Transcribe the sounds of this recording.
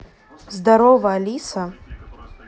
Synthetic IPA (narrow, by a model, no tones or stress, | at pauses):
zd̪aɾɔvɐɐlʲisɐ